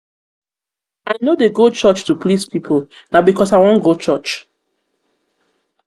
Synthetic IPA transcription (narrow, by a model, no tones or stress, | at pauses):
aɪnodeɡot͡ʃɔt͡ʃtuplispʰipʰol | nabikʰɔsaɪwɔ̃nɡot͡ʃɔt͡ʃ